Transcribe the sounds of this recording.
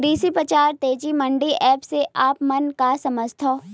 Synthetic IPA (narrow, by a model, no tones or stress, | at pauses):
ɾiːsipɾət͡ʃaːɾt̪eːd͡ʒimɐ̃ɳɖiʔɛːpseʔaːpmɐnkasɐməd͡ʒt̪ʰoː